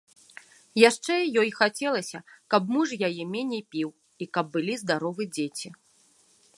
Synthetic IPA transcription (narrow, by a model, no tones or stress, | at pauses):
jaʂt͡ʂɛjɔjxat͡sʲɛlˠɐsʲɐkɐbmuʐjajɛmʲenʲejpʲiw | ikɐb̚ːɨlʲizd̪aɾɔvɨd͡zʲet͡sʲi